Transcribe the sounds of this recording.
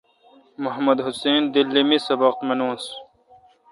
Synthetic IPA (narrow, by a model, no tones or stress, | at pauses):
mʊɦɐmɐd̪ɦuseːnd̪ilːimisɐbɐqt̪mɐnuːns